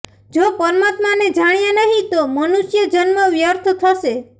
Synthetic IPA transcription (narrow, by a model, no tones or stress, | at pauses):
d͡ʒopɔɾmat̪maned͡ʒaɽ̃ijanaɦĩt̪omɔnusjəd͡ʒʌnmɔʋjɔɾt̪ʰɔt̪ʰɔse